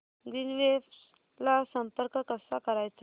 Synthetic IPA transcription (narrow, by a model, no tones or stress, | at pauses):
d̪inʋef | lasəmpəɾkəkəsakəɾajt͡s